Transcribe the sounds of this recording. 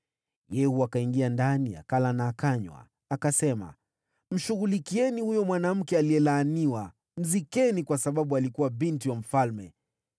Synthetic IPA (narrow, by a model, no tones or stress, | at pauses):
jɛhuakaiŋɡiandania̰kalanaːkaɲwa̰ː | kasɛma̰ | m̩ʃuɣulikiɛnihujɔmwanam̩kɛaliɛlaːniwa | m̩zikɛnikwasaɓaɓualikuwaɓintiwam̩falmɛ̰